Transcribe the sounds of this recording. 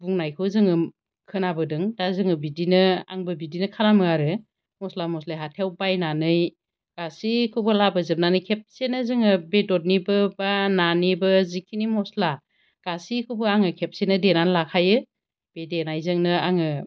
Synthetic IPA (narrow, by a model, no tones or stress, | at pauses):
buŋnajkʰɯwzɯŋɯm | kʰɯnabɯdɯŋdazɯŋɯbidinɯa̰ŋbɯbidinɯkʰalamɯaɾɯ | mɔslamɔslajɦatʰewbajnanɯj | ɡ̥asikʰɯbɯlabɯzɯp̚nanɯjkʰep̚senɯzɯŋɯbedɔt̚nibɯbananibɯzikʰinimɔsla | ɡ̥asikʰɯwbɯaŋɯkʰep̚senɯdenanlakʰajɯ | b̥edenajzɯŋnɯaŋɯ